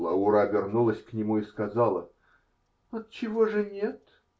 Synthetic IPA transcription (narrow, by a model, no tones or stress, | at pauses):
lˠəʊɾavʲɪrnulˠəsʲknʲɪmuiskɐzɑlˠə | ɐt̪t͡ɕɪvoʐɨnʲet̪